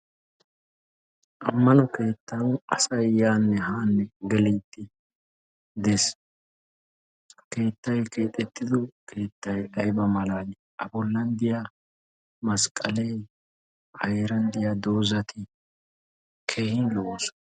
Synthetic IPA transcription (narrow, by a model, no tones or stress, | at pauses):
ʔɐmːɐnɔke̞ːt̪ːɐnʔɐsɐjjaːnːɛhaːnːɛɡɛliːt̪ːɪ | d̪ɛs | ke̞ːt̪ːɐjke̞ːt̪ʼːɛt̪ːɪd̪ɔkʰe̞ːt̪ːɐjɐjbɐmɐlaːd̪ɪ | ʔɐbɔlːɐnd̪ɪja | mɐskʼɐlej | ɐ̰jɛɾɐnd̪ɪjɐd̪o̞ːzɐt̪ʰɪ | kʰehɪnlɔʔs